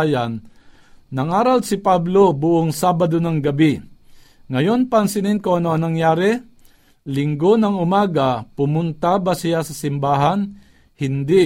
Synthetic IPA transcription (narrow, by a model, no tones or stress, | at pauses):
janː | ɐŋaːɾalsɪpablobʊʔoŋsaːbad̪onɐŋɡɐbi | ŋɐjo̞npɐnsɪnɪnkoɐnoʔɐnɐŋjaːɾɛ | lɪŋɡonɐŋʊmaːɡapʊmʊnt̪abasɪjasɐsɪmbaːɦan | hɪnd̪ɪ